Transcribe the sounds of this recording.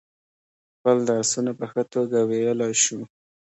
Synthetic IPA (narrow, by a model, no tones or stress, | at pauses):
xpəld̪ːsunapəxət̪oɡawejəlɑjʃu